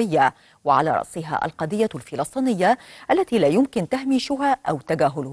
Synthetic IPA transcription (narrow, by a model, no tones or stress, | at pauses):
ɪjːa | wɪʕa̰la̰ːɾˤɑ̰ʔsˤɪɦa̰ːʔa̰lqɑːd̪ɪjːalfɪlɑsˤt̪ˤiːnɪjːaʔalːat̪ilaːjʊmkɪnt̪ahmiːʃʊɦaːʔawt̪aɡaːɦʊlʊ